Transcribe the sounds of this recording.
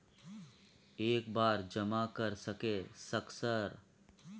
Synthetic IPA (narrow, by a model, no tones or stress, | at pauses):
eːkbaːɾd͡ʒɐmakɐɾsɐkeːsɐksəɾ